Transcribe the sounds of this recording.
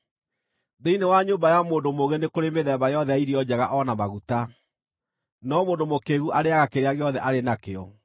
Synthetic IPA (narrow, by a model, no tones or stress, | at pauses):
ðeinewaɲoːbajamoːndomoɣenekoɾemeðɛbajɔðɛaiɾiɔd͡ʑɛɣaʔɔnamaɣuta | nɔmoːndomokeɣuʔaɾeaɣakeɾeaɣeɔðɛʔaɾenakeɔ